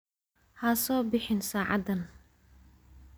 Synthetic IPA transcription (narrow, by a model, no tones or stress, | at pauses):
hɐsɔːbɪħɪnsaːʕɑ̰d̪ɐn